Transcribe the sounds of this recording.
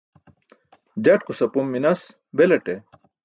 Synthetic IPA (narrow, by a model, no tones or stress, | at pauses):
d͡ʑɐʈkusɐpumːinɐs | belɐʈe